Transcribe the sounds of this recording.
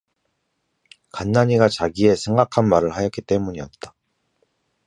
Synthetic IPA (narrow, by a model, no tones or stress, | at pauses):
kanːaɲiɡat͡ɕaɡie̞sʰe̞ŋɡakʰanmaɾɯɭhajʌk͈it͈e̞muɲiʌt̚t͈ḁ